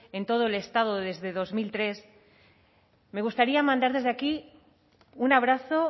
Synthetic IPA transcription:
e̞nt̪o̞ð̞o̞ele̞st̪að̞oðe̞zðe̞ðo̞zmilt̪ɾe̞s | me̞ɣ̞ust̪aɾiamãnd̪aɾð̞e̞zðeaki | unaβ̞ɾaθo̞

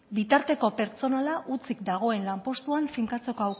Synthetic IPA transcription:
bit̪aɾt̪e̞ko̞pe̞ɾt͡so̞nalaʔut͡sik̚d̪aɣ̞o̞e̞nlampo̞st̪uaɱfiŋkat͡se̞koaw

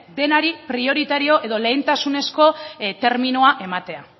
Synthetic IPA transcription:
d̪e̞naɾipɾio̞ɾit̪aɾio̞ʔe̞ðo̞le̞jnt̪asune̞sko̞t̪e̞ɾminuaʔe̞mat̪e̞a

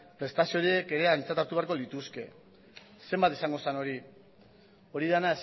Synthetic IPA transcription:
pɾe̞st̪asio̞ɾie̞ke̞ɾe̞ajnt͡sat̪aɾt̪uβe̞aɾko̞lit̪uske̞̰ | se̞mbat̪esaŋɡo̞sano̞ɾi | o̞ɾiðanaes

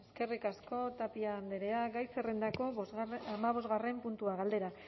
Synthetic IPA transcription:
eske̞rikasko̞t̪apiaːnd̪eɾe̞aɡajserend̪ako̞amaβ̞o̞zɣare̞mpunt̪uaɣald̪e̞ɾa

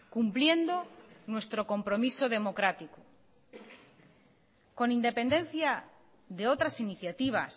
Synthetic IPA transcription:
kumplje̞nd̪onwe̞st̪ɾo̞ko̞mpɾomisoðe̞mo̞kɾat̪iko | ko̞nind̪e̞pe̞nd̪ẽ̞n̟θja | ðeo̞t̪ɾasiniθjat̪iβ̞a̰s

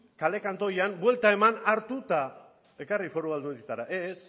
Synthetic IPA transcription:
kale̞kant̪o̞jambwe̞lt̪ae̞manaɾt̪ut̪a | e̞karifo̞ɾuβald̪ut̪et̪aɾaʔes

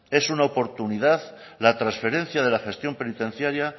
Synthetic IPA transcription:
e̞sunaopo̞ɾt̪uniðað | lat̪ɾasfe̞ɾẽ̞n̟θjað̞e̞laxe̞st̪jo̞mpe̞nit̪ẽ̞n̟θjaɾja

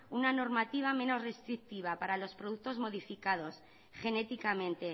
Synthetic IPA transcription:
unano̞ɾmat̪iβ̞ame̞no̞zre̞st̪ɾik̚t̪iβ̞apaɾalo̞spɾoð̞uk̚t̪o̞zmo̞ðifikað̞o̞s | xe̞ne̞t̪ikamẽ̞nt̪e̞

